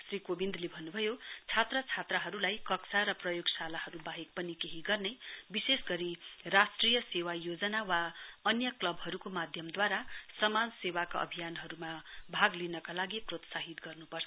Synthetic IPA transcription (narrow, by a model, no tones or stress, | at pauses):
srikobind̪lebʱʌnːubʱʌjot͡sʰat̪rʌt͡sʰat̪raɦʌɾulajkʌksaɾʌprʌjoɡsalahʌɾubaɦek̚pʌnikeɦiɡʌrnebisesɡʌɾirasʈrijʌsewajod͡zʌnawaʌnjʌklʌbɦʌɾukomad̪ʱjʌmd̪waɾasʌmansewakaʌ̰bʱijanɦʌɾumabʱaɡlinʌkalaɡiprot̪saɦit̪ɡʌrnupʌrsʰʌ